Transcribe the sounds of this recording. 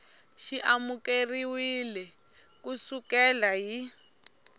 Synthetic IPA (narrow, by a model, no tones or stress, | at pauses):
ʃiʔamukeriwilɛ | kusukɛlaɦi